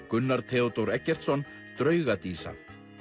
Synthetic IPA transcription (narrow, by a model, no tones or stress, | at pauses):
kʏnːaɾ̥t̪ʰɛːɔt̪owɾɛcːɛr̥t̪sɔn | t̪ɾœːɥɣat̪iːsa̰θ